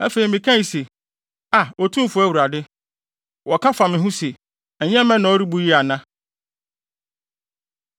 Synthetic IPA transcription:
æ̰˦fe˨i˨mɪ̃˨kʰã˦i˨se˨ | a˨ɔ˨tʰũ˦m˦fʊ˨˦æ˦wu˨ɾa˨dɪ˦ | wɔ˨kʰa˦fa˨mɪ̃˨ɦʊ̃˦se˨ | ɛ˨ɲɛ̃˦mɛ̃˦nã˨ɔ˦ɾi˦bu˦ji˦a˨nã˦

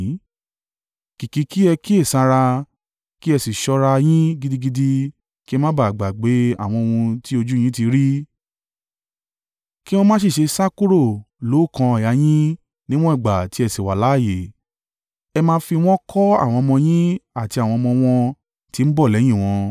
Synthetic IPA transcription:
ki˨ki˨˧˦ki˦ɛ˧ki˦e˦˨sa˧ɾa˧ | ki˦ɛ˧si˨ʃɔ˧ɾa˧j̃ĩ˦ɡi˦di˦ɡi˦di˦ | ki˦ɛ˧mã˦ba˦˨ɡ͡ba˨ɡ͡be˨˦a̰˦˨w̃ɔ̃˧o˧ũ˧ti˦o˧d͡ʒu˦j̃ĩ˦ti˧ɾi˦ | ki˦w̃õ˦mã˦s̬i˦˨ʃe˧sa˦ku˦ɾo˦˨ | lo˨˦˨kã˧a˨ja˨˦j̃ĩ˦ | nĩ˦w̃ɔ̃˦i˦˨ɡ͡ba˨ti˦ɛ˧si˨wa˨la˨˦˨je˨ | ɛ˧mãː˧˦fi˧w̃ɔ̃˦kʰɔ˦a̰˦˨w̃ɔ̃˧mɔ̃˧j̃ĩ˦a˦˨ti˧a˨w̃ɔ̃˧mɔ̃˧w̃ɔ̃˧ | ti˨˦m̩˦bɔ˦˨lɛ˨˦j̃ĩ˦˨w̃ɔ̃˧

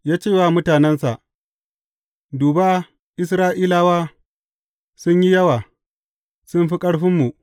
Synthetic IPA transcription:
jaː˦t͡ʃeː˦˨waː˦˨mʊ˦taː˨nɛ˦nsa˨ʔ | duː˨baː˦ | ʔɪ˦s̬ɾaː˦ʔiː˦laː˦waː˦ | sʊ˦ɲji˦jɐ˦waː˨ | sʊ˦mɸi˦kʼɐ˦ɽɸɪ˦mːu˨ʔ

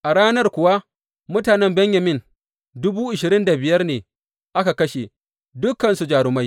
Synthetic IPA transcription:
ʔa˨ɽaː˦nɐ˦rkʷʊ˨wa˦ | mʊ˦taː˨nɛ˦mbɛ˦ɲjɐ˨mɪ˦n | dʊ˦buː˦ʔɪ˨ʃɪ˨ɾɪ˦nda˨bɪ˨jɐ˦rneː˨ | ʔa˦ka˨kɐ˦ʃe˨ | dʊ˦kːɐ˨nsu˨d͡ʒaː˨ɽʊ˦ma˦j

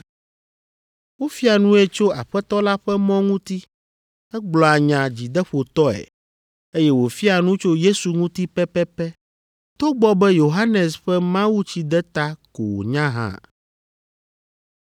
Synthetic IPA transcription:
wo˦fi˦a˨nũ˦ɛ˦t͡ʃo˦a̰˨ɸɛ˦t̪ɔ˦la˦ɸɛ˦mɔ̃˦ŋũ˦t̪i˦ | ɛ˦ɡ͡blɔ˨a˨ɲã˨d͡ʑi˨d̪ɛ˦ɸo˨t̪ɔ˦ɛ̰˨ | e˦jɛ˦wo˨fi˦a˨nũ˦t͡ʃo˦je˦su˨ŋũ˦t̪i˦pɛ˦pɛ˦pɛ˦ | t̪o˦ɡ͡bɔ˦bɛ˦jo˨ɦa˦nɛ˨sɸɛ˦mã˦wu˦t͡ɕi˦d̪ɛ˦t̪a˦ko˨wo̰˨ɲã˦ɦã̰˦˨

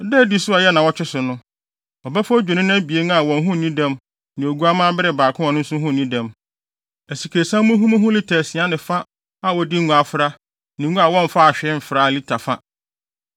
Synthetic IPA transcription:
dɛ˦˨di˦sʊ˦a˨jɛ˦nã˨wɔ˦t͡ɕᶣɪ˦sʊ˨nʊ̃˦ | ɔ˨bæ˦fd͡ʑᶣɪ˨nɪ̃˦nã˦æ˦bi˨e˦n˦a˨wɔ̃˨n˦ɦʊ̃˦˨nĩ˦dɛ̃˦m | nɪ̃˨o˨ɡu˦a˦mãː˦bɪ˦ɾɪ˨baː˨kʰʊ̃˦ɔ̃˨nʊ̃˦n̩˦sʊ̃˦ɦʊ̃˦˨nĩ˦dɛ̃˨m | æ˨si˨kʰe˨sã˦mʊ̃˦ɦũ˦mã˦ɦʊ̃˦lɪ˦tʰɛ˨sĩ˨ã˦nɪ̃˨fa˦ | a˨wɔ˨di˦ŋ˦ũ˨a˨fʊ˦ɾa˦ | nɪ̃˨˦ɡũ˦a˨wɔ̃˦m̩˨fa˦a˨ɕᶣɛ˦˨fɾa˦˨li˦tʰa˨fa˦

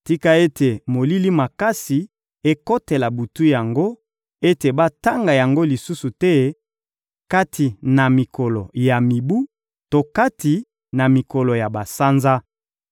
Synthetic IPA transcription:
ti˦ka˦e˦tʰe˨mo˨li˦li˦ma˨ka˦si˨ | e˦ko˦te˨la˨bu˨tu˦ja˨ŋɡo˦ | e˦te˨ba˦ta˦ŋɡa˨ja˨ŋɡo˦li˨su˦su˨tɛ˦ | ka˦tʰi˨na˨mi˨ko˨lɔ˨ja˨mi˨bu˦ | to˨ka˦ti˨ | na˨mi˨kɔ˨lo˨ja˨ba˨sa˦nza˦

